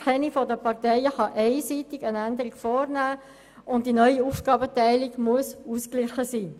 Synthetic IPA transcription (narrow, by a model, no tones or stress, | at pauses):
kʰɛnifɔdəpɑʁtɛɪəχɑʔeɪsitɪɡənændəʁikfɔːɾnæː | ʊnt̚d̥inœʏiuːfɡ̥ɑːbətɛɪlɪɡmuəsuːsklɪχəsiː